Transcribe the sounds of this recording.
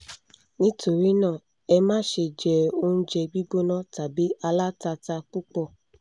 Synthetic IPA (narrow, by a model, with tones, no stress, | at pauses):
nĩ˦tʰo˨ɾi˨˦nãː˦˨ | ɛ˧mãː˦ʃe˧˨d͡ʒɛ˨o˧˦nũ˦d͡ʒɛ˧ɡ͡bi˦ɡ͡bo˦nã˦ta˨bi˨˦a˧la˦ta˧ta˧k͡pu˦k͡pɔ˧